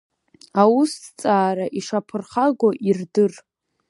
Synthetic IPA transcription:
awust͡sʼaːɾaʔiʂapʰɨrχaɡʷoʔirdɨr

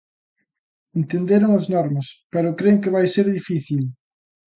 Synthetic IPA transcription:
ent̪end̪eɾʊŋɐznɔɾmɐspɛɾʊkɾeŋkɪβajseɾðifiθil

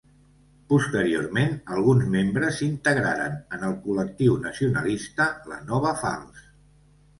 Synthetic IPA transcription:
pust̪əɾio̰rmenəlˠɣ̞unzmembɾəzint̪əɣɾa̰ɾə̰nənəlˠkulək̚t̪iwnəsiunəlist̪ələ̰nɔβ̞əfa̰lˠs

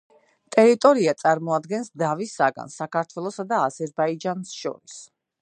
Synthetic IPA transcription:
t̪ʼɛɾit̪ʼɔɾiat̪sʼaɾmɔad̪ɡɛnsd̪avisːaɡa̰nsakʰaɾt̪ʰwɛlˠɔsad̪aːzɛɾbaid͡ʒansʃɔ̰ɾis

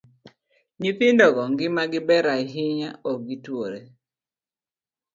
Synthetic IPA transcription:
ɲipɪndɔɡɔŋɡɪmaɡɪbɛɾaɦɪɲaɔɡitwoɾe

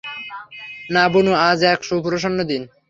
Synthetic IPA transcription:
nabonuad͡ʑɛkʃopuɾoʃ̬onːod̪in

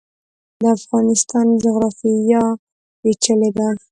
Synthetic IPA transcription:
d̪əafɣɑnɪst̪ɑnd͡ʒʊɣɾɑfija | wet͡ʃəled̪a

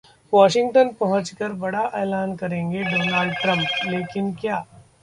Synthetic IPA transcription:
ʋɔːʃɪ̃ŋɡʈənpɐɦʊ̃t͡ʃkəɾbɐɽaʔɛːlaːnkɐɾẽːŋɡeɖoːnaːlɖʈɾə̃mpleːkɪnkjaː

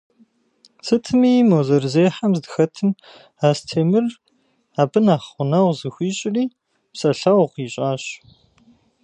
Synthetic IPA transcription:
sʰɨtʰɨmiːmoːzɐrzeːħamzdɨxɐtʰɨm | aːstʰeːmɨr | aːbɨnaːχʷʊnɐwzɨxʷiːɕʼɪriː | psɐɬɐwqiːɕʼaːɕ

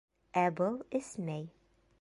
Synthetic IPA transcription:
æbɤlˠɘsmæj

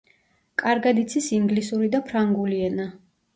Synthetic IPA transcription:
kʼaɾɡad̪it̪sʰisiŋɡlisuɾid̪apʰɾaŋɡuliɛna

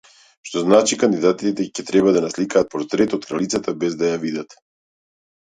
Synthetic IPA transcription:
ʃt̪ɔznat͡ʃikand̪id̪at̪it̪ɛcɛt̪ɾɛbad̪anaslikaːt̪̚pɔɾt̪ɾɛt̪ɔt̪̚kɾalit̪sat̪abɛzd̪ajavid̪at̪

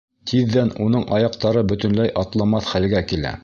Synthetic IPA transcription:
t̪ʰiðːænunɤɴɑjɑq̚t̪ɑɾɤbɵ̆t̪ɵ̆nlæjʔɑt̪lˠɑmɑθχælɡækilæ̰

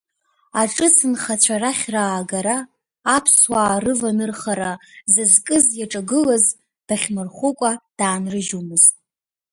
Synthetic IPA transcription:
aʈ͡ʂʼɨsɨnχat͡ɕʷʰaraχʲraːɡaɾaː | pʰswaːrɨvanɨrχaɾazɨzkʼɨzjaʈ͡ʂʼaɡɨlaz | b̥aχʲmɨrχʷʊkʷʼad̥aːnrɨʒumɨztʼ

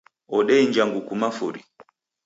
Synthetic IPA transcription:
ɔɗɛiɲd͡ʒaŋɡukumafuɾḭ

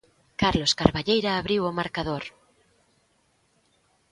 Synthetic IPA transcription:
kaɾloskaɾβaʎejɾaːβɾiwomaɾkaðoɾ

